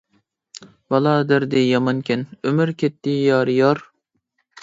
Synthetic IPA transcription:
bɑlˠɑːd̪æɾd̪ɪjɑmɑnkʲɪnømyɾkʲʰet̪ːɪjɑːɾjɑɾ

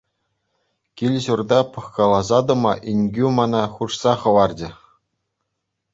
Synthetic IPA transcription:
kʲilʲʑurd̪ɑpɤ̆χkɑlˠɑzɑd̪ɤ̆mɑʔinʲɡʲymɑnɑχuʂsɑχɤ̆ʋɑrd͡ʑɘ̆

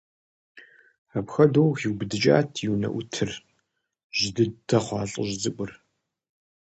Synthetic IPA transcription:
apxɐdoːwxiwbɨdɨt͡ʃʼa̰ːtʰjiwnɐ̰ʔʷʊtʰɨr | ʒɪdɨtʰɐχʷɑːɬʼə̰ʑd͡zɨkʷʼʊr

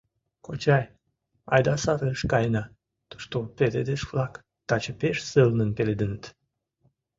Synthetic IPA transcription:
kot͡ɕɑj | ɑ̰jd̪ɑsɑɾəəʃkɑjnɑ | t̪u̥ʃt̪oped̪ed̪eʃflɑk | t̪at͡ɕepeʃsəlnənpeled̪ɨnt̪

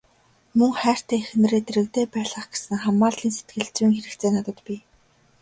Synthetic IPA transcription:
mɵŋχæːr̥t̪eːexɘ̆n̆reːt̪eɾɘ̆k̚t̪eːpæːɮə̆χɡe̥sɘ̆ŋχamːaːɮɮiːnse̥t̪̚ɡɘ̆ɮt͡swiːŋxeɾɘ̆kt͡seːnat̪ə̆t̪pʲi

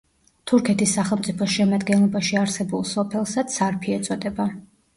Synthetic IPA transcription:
t̪ʰuɾkʰɛt̪ʰisːaχɛlˠmt̪sʼipʰɔʃɛmad̪ɡɛnlˠɔbaʃiaɾsɛbulˠsɔpʰɛlˠsad̪saɾpʰiɛt̪sʼɔd̪ɛba

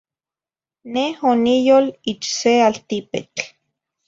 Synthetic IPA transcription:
nehonijolit͡ʃsealt̪ipḛt͡ɬ

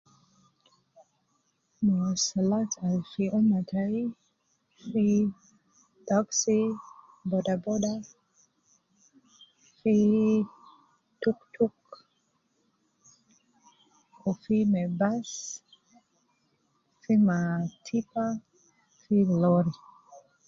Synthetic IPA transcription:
masalatalfiʔɔmatʰai | fi | dɔksi | bɔdabɔda | fi | tuktuk | ɔfimɛbas | fimatʰipa | filɔɾi

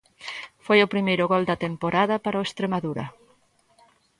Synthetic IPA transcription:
fojʊpɾimejɾʊɣɔld̪ɐt̪empoɾaðɐpaɾɐoest̪ɾemaðuɾɐ̰

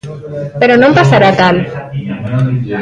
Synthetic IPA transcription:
peɾonõmpasaɾat̪al

